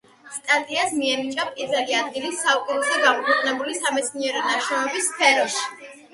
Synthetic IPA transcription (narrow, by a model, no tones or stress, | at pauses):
st̪ʼat̪ʼiasmiɛnit͡ʃʼapʼiɾvɛliad̪ɡilisaukʼiɾɔzɛɡamɔkʰwɛqʼnɛbulisamɛt̪sʰniɛɾɔnaʃɾɔmɛbisːpʰɛɾɔʃi̥